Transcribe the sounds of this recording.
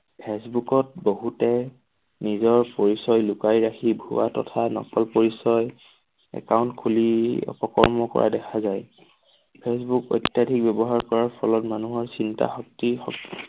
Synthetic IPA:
pʰesbukɔt̚boɦutɛ | nizɔɹpoɹisɔjlʊkaɹiɹaxʰibʱṵatɔ̰tʰanɔ̰kɔlpoɹisɔj | ɛ̰kawntkʰuliɔ̰pɔkɔ̰ɹmɔkɔ̰ɹa̰dɛkʰazaj | pʰesbukɔ̰jtjadʱik̚bɛbɔɦaɹkɔɹaɹpʰɔlɔtmanuɦɔɹsinta̰xɔk̚tixɔ̰k

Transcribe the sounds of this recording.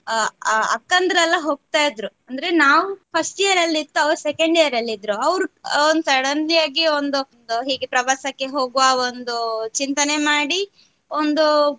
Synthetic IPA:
ɐ̰kːɐnd̪ɾɐlːɐɦo̞ːɡ̚t̪aːjid̪ɾuɐnd̪ɐɾe̞naːʋupʰɐsʈijɐɾɐlːit̪ːuɐʋɾusekɐɳɖijɐɾɐlːid̪ɾuɐʋɾuond̪usɐɽɐnijaːɡiond̪und̪uɦiːɡepɾɐʋaːsɐkːeɦo̞ːɡuʋaond̪ut͡ʃint̪ɐne̞maːɽi | ond̪u

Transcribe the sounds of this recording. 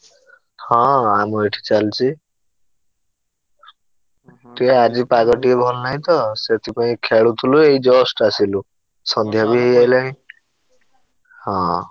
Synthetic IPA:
hɔ̃amɔeʈʰi̥t͡ʃalt͡ʃʰi | t̪ead͡ʒipaɡɔʈiebʱɔnnaj̃t̪ɔset̪ʰipaĩkʰeɭut̪ʰulueid͡ʒɔsʈasilu | sɔnd̪ʱjabiɦejajlaɦĩ | hɔ̃

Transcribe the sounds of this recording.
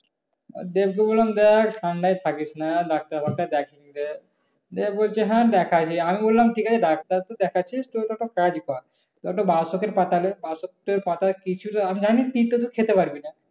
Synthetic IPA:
d̪ebkebollamd̪ɛkʰʈʰaɳɖajt̪ʰakit͡ʃʰnaɖak̚t̪aɾbʱak̚ʈad̪ɛkʰinid̪ɛ | d̪ebbolt͡ʃʰeɦãd̪ɛkʰat͡ʃʰiamibolːamʈʰikat͡ɕʰeɖak̚t̪aɾt̪od̪ɛkʰat͡ʃʰisʈoɖɔk̚ʈaɾkad͡ʒkɔɾ | ɖɔk̚ʈaɾbasokeɾpat̪alebasok̚ʈeɾpat̪akit͡ʃʰuɾamid͡ʒanit̪it̪ːot̪̬ukʰet̪epaɾbina

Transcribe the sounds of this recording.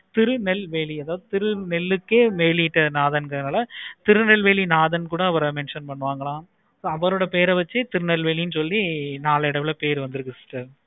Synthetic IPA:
t̪ɪɾɯnɛlʋeːliɐðaːʋɐðɯt̪ɪɾɯnɛlːɯkːeːmeːljɪʈːɐnaːðɐnkɐðɯnaːlɐt̪ɪɾɯnɛlʋeːɭinaːðɐnkuːɽɐːʋɐɾɐmɛnʂɐnpɐɳːɯʋaːŋɡɐɭãː | soːɐʋɐɾoːɽɐpeːɾɐʋɐt͡ʃːɯt̪ɪɾɯnɛlʋeːɭinɯsɔlːinaːlɐɪɽɐʋɪlɐpeːɾʋɐnd̪ɯɾɯkːɐsʈːɐɾ

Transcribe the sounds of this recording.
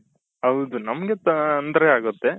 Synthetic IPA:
ɦɐwd̪unɐmɐɡet̪ɐɐnd̪ɐɾeaːɡut̪ːe̞

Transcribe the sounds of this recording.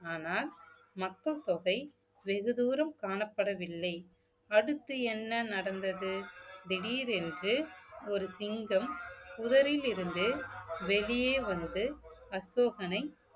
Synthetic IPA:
aːnaːl | mɐk̪ːɐt̪ɔɣɐɪ | ʋɛɣɯðuːɾɐmkaːɳɐpːɐɽɐʋɪlːɐɪ | ɐɽɯt̪ːɯɛnːɐnɐɽɐnd̪ɐðɯd̪ɛɽiːɾɛndrɯɔɾɯsɪŋɡɐmʊðɐɾɪlɪɾɯnd̪ɯʋɛɭɪjeːʋɐnd̪ɯɐsoːɣɐnɐɪ

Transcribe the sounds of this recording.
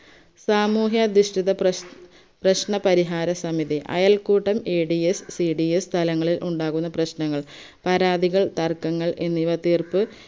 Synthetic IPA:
saːmuːɦjɐd̪iʂʈiðɐ | prɐɕɳɐpɐɾiɦaːɾɐsɐmiðiʔɐ̰jɐlkuːʈːɐmeːɖiesːiɖiest̪ʰɐlɐŋːɐɭilʔuɳɖaːɣunːɐprɐɕnɐŋːɐɭ | pɐɾaːd̪iɣɐɭt̪ɐrkɐŋːɐɭe̞nːiʋɐt̪iːrpɨ

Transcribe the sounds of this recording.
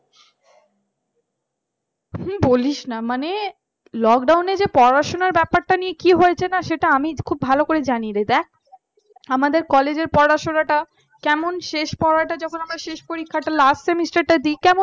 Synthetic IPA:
hm̩boliʃnamane | lɔk̚ɖawned͡ʑepɔɾɾaʃonaɾbɛpaɾʈanijekiɦoet͡ɕʰenaʃeʈaamikʰubːʱalokoɾed͡ʑaniɾed̪ɛk̚ | amad̪eɾkɔled͡ʑeɾpɔɾaʃonaʈa | kɛmonʃeʃpɔɾaʈad͡ʑɔkʰonamɾaʃeʃpoɾikʰːaʈalasʈsemisʈaɾʈad̪ikɛmon

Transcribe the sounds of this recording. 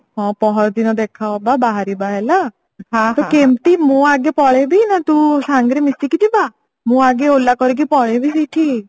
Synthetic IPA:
ɦɔ̃pɔɦɔɾd̪inɔd̪ekʰaɔbabaɦaɾibaɦɛla | ɦat̪ɔkemt̪imũaɡepɔɭebʱinat̪ũsaŋɡɾemisikit̪iba | mũaɡeolːakɔɾik̬ipɔɭebʱisiʈʰi

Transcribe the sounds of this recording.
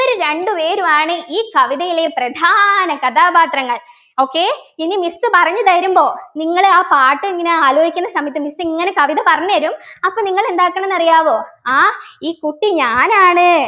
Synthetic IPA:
oɾuɾeɳɖupe̞ːɾumaːɳɨʔiːkɐʋiðɐjileprɐd̪ʱaːnɐkɐd̪aːbaːt̪rɐŋːɐɭ | o̞ːkːeːinːimisːɨpɐrɐɲːɨt̪ɐɾumbo̞ːniŋːɐɭeaːpaːʈːɨiŋːineaːloːɦikʲːunːɐsɐmɐjɐt̪ːimisːŋːɐne̞kɐʋiðɐpɐrɐɲːuʋɐɾumɐpːoːniŋːɐɭe̞nd̪aːkːɐɳɐnːɐrijaːʋo̞ːaːiːkuʈːiɲaːnaːɳɨ

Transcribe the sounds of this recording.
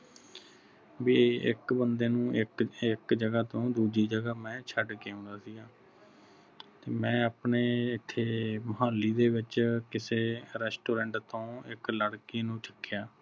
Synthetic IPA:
ʋiːɪ̰kbənd̪eːnũːʔɪkɪkd͡ʒəɡaːt̪õːd̪uːd͡ʒiːd͡ʒəɡaːmɛ̃ːt͡ʃʰəɖkeːɦõnd̪aːsiːɡãː | t̪eːmɛ̃ːaːpɳeːɪt̪ʰːeːməɦaːlːiːd̪eːʋɪt͡ʃkɪseːɾɛːsʈoːɾɛ̃ːɳʈt̪õːɪkləɽkiːnũːt͡ʃʰəkːɪjaː

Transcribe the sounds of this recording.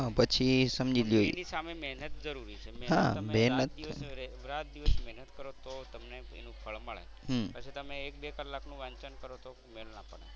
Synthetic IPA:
ɦapət͡ʃʰisəmd͡ʒiliɦojnisamemɛɦnət̪̚d͡ʒəɾuɾit͡ʃʰemɛɦa̰mɛɦnət̪ʋɾat̪d̪iʋəsmɛɦnət̪kəɾot̪ot̪əmneḛnũpʰəɭməɭḛ | ɦpət͡ʃʰit̪əmeːk̚bekəlːaknũʋaɲt͡ʃənkəɾot̪o | melnãpəɳe

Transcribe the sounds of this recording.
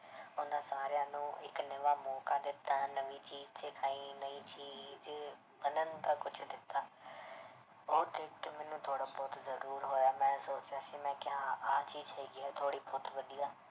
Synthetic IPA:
ʊnãːsaːɾjãːnũːɪ̰knəʋaːmɔːkaːd̪ɪt̪ːaːnəʋiːt͡ʃiːzsɪkʰaːiːnəiːt͡ʃiːz | bənənt̪aːkʊt͡ʃʰd̪ɪt̪ːaː | oːd̪ɪkʈmɛːnũːt̪ʰoːɽaːbɔːt̪zəɾuːɾɦoːjaːmɛ̃ːsoːt͡ʃaːsiːmɛ̃ːkɪɦãːaːt͡ʃiːzɦɛːɡiːɛːt̪ʰoːɽiːbɔːt̪ʋəd̪ijaː

